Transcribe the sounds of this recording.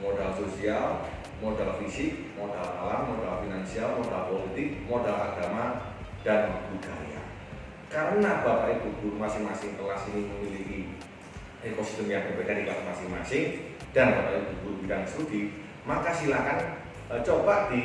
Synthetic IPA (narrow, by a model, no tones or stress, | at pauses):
modalsosial | modalfisɪk̚modala̰lamːodalfinansialmodalpolit̪ɪk̚modalaɡ̥ama | d̥anwak̚d̪udaja̰ | kaɾənabapaʔit̪ubumasɪŋmasɪŋt̪əlasiniməmiliki | ekosi̥st̪əmjaŋtopekadiklasmasɪŋma̰sɪŋd̥anbapaib̪ububiɾansudi | makasilahkan | t͡ʃobad̥i